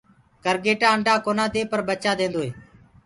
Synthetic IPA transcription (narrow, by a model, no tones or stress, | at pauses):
kəɾɡeːʈãːəɳɖʱãːkoːnãːd̪eːpəɾbət͡ʃaːd̪ẽːnd̪oːɦeː